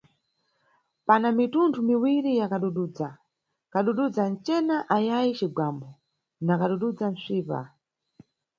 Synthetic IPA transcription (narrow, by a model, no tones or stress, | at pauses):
panamitundumiwiɾijakaɗuɗud͡za | kaɗuɗud͡zant͡ʃɛnaʔajajit͡ʃiɡwambɔ | nakaɗuɗud͡zan̩sʷiːpa̰